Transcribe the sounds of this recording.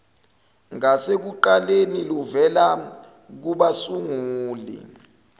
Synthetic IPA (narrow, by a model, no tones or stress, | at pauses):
ŋasek̬uǃaleniluvɛla | k̬uɓasuŋuːlḭ